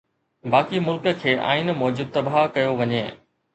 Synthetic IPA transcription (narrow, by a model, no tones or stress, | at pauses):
baːkimʊlkə̆kʰeːʔa̰ːɪnmɔːd͡ʑʊd̪̚t̪ɐbaɦkɐjoʋɐɲeː